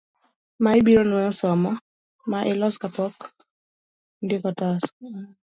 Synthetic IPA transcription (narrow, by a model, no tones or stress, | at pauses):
maibiɾɔnwɛɔsɔmɔ | maʔɪlɔskapɔk | ndɪkɔtas